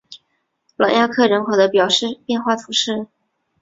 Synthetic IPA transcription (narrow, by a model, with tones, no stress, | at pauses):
lwa˨˩ŋja˥˧kʰɤ˥˩ɻə˧˥nxwo˨˧˥d̪ə˦˧pjɑ˨˩ʊʂɻ̩˥˧pjɛ˥˧nxwa˥˩t̪ʰu˧˥ʂɻ̩˥˩